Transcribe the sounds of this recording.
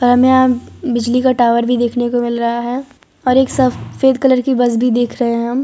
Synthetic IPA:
pɐɾɦɐmẽaːbɪd͡ʒlikaʈaːʋəɾbʱid̪eːkʰnekomɪlɾɐɦaɦɛ | ɔːɾeːksɐfeːd̪kɐləɾkibɐsbʱid̪eːkʰɾɐɦẽɦɛɦɐm

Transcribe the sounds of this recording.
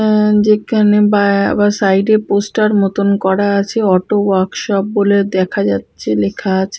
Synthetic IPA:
d͡ʑekʰanebaa̰baɾsajɖeɾposʈaɾmot̪onkɔɾaat͡ɕʰeɔʈowaɾkʃɔp̚boled̪ɛkʰad͡ʑatːɕʰelekʰaat͡ɕʰe

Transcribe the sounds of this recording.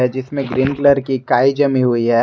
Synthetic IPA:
ɦɛd͡ʒɪsmẽɡɾiːnkləɾkikaːid͡ʒɐmiɦuiɦɛ

